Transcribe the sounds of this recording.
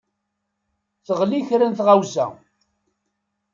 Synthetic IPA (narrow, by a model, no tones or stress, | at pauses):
θəʁliçɾənθʁawzæ̰